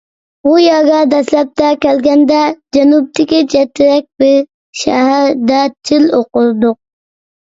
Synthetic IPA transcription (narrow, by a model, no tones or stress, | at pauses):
ujɑɡɑd̪ɛslɛp̚t̪ʰɛkʲɛlɡʲɛnd̪ɛd͡ʒɛnup̚t̪ɪkʲid͡ʒɛt̪ʰːɪɾɛk̚ʲbɪɾ | ʃɛ̰ɦæɾd̪ɛt͡ʃʰɪloqʊlˠd̪ʊq̚